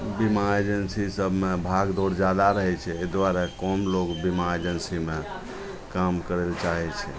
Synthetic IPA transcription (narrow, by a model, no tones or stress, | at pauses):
bimaed͡ʒənsisəbʱmebʱaɡd̪oɾd͡ʒad̪aɾəɦɛt͡ʃʰɛed̪ʋaɾakɔmlokbimaed͡ʒənsime | kamkəɾelt͡ʃaɦɛt͡ʃʰɛ